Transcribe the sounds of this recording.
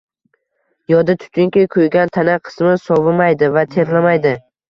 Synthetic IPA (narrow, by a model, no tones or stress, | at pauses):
jɒd̪ɪt̪ʰʊ̥t̪ʰɪŋkʲɪkʰojɡʲant̪ʰanaqʰɨ̥smɪsɒvɪmajd̪ɪvat̪ʰe̞ɾlamajd̪ɪ